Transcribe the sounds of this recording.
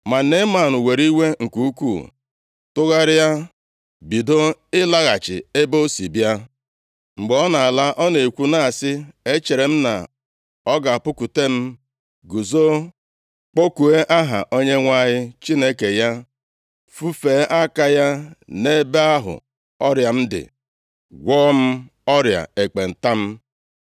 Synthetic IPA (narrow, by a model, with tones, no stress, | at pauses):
ma˨ne˦ma˨nʊ˨we˨ɾi˦wʷe˦ŋ̩˨ku˨u˦kʷṵː˦˨ | tʊ˦ɣa˦ɾɪ˦ja˦ | bi˨do˦ɪ˦la˦ɣa˨t͡ʃɪ̰˨e˦bo˦sḭ˨bja˦ | ŋ͡m̩˨ɡ͡be˨˦ɔ˦na˨a˨la˦ʔɔ˦ne˨kʷu˦na˦a˨sɪ˦e˦t͡ʃe˨ɾe˨m̩˦na̰˨ | ɔ˦ɡa˨pʊ˦ku˨te˦m̩˦ | ɡu˨zo˦ | k͡po˦ku˨e˦ʔa˦ɦa̰˨ʔo˦ɲe˦ŋʷa˦˨ɲɪ˦t͡ʃi˦ne˦ke˨ja˦ | fu˦feː˨˦ʔa˦ka˦ja˦ne˦be˦a˦ɦʊ̰˨ | ɔ˦ɾja˨m̩˦dɪ̰˨ | ɡʷɔː˦m̩˦ | ɔ˦ɾja̰˨e˨k͡pe˨n̩˨ta˦m̩˦